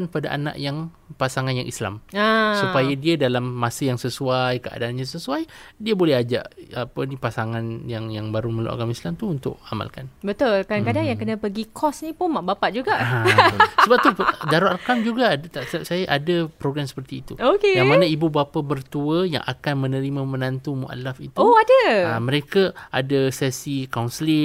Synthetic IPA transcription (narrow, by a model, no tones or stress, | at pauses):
npada̰ʔa̰nã̰ʔjaŋ | pasaŋanja̰ŋʔḭsla̰masupajadiadalamːasəjaŋsəsuajkəʔa̰daːnɲãsəsuajdiabolɛhɦad͡ʒa̰ʔapənipasaŋanjaŋjaŋbaɾuməlo̰ʔa̰ɡamislamt̪uunt̪ʊ̰ʔa̰ma̰lkanbət̪ʊlkadaŋkadaŋjaŋkənãpəɡikʰɔsnipʊnmaʔbapaʔ̚d͡ʒuɡa | səbap̚t̪udaɾaʔakamd͡ʒuɡadt̪aʔsəbap̚sajaʔadapɾoɡɾamsə̥pərt̪iːt̪ṵokejaŋmanaibubapabərt̪uəja̰ŋʔa̰kanmə̃nə̃ɾimãmə̃nant̪umuʔa̰lafit̪oadəa̰mə̃ɾekaa̰dasɛsikaunslɪ